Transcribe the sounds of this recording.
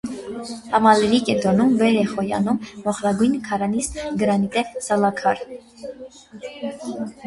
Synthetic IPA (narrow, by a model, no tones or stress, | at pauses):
hɑmɑlɛɾikɛt̪ɔnumvɛɾɛχɔjɑ̰numːɔχɾɑɡujnkʰɑɾɑnisɡəɾɑnit̪ɛvsɑlɑkʰɑɾ